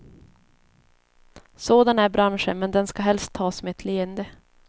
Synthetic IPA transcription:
soːd̪anæɾbɾanʂə̰nmɛnd̪ɛnskaɦɛlst̪ʰːɑːsmeɛt̪ʰleːənd̪ə

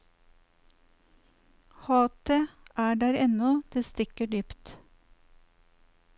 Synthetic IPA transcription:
hɑːt̪ʰeːʔæːɖæɾɛnɔd̪̥eːst̪ɪkəɖyːpt̪

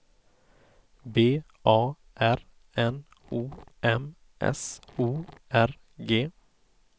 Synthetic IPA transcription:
beː | ʔɑː | ʔæɾ | ɛn | uːʔɛm | ʔɛ̰suːʔæɾ | ɡeː

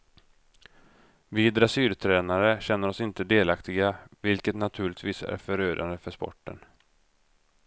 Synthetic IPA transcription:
vɪːd̪ɾasyːɾt̪ʰɾɛːnaɾəɕɛnːəɾɔsɪnt̪əd̪eːlakt̪ɪɡavɪlkət̪nat̪ʰʉ̟ːɭɪt̪viːsæ̰ɾfœɾøːd̪and̪əfœʂpɔ̰ʈːə̰n

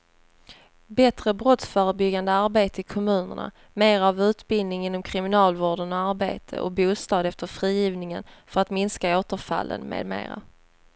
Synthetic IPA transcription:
bɛt̪ɾəbɾɔt̪sfœːɾəbʏɡand̪əaɾbeːt̪əɪkʰɔmʉ̟ːnə̰ɳa̰ | meːɾavʉ̟ːt̪bɪld̪ɪŋɪnːɔmkʰɾɪmɪnɑːlvoːɖənɔaɾbḛːt̪ʰə̰ʔɔ̰buːst̪ɑːd̪ɛft̪əɾfɾiːjiːvnɪŋənfœɾat̪mɪnskaoːt̪əɾfa̰lːə̰nmḛːd̪mḛːɾa̰

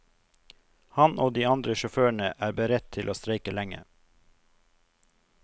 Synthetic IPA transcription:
hɑnʔoːd̪iːɑnd̪ɾəʃɔføːɳəʔæːɾbəɾɛt̪̚t̪ʰɪlʔoːst̪ɾeɪkəlæŋə̰

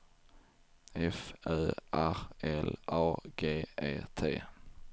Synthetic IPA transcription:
ɛfœːʔæɾɛlʔɑːɡeːeːt̪ʰḛː

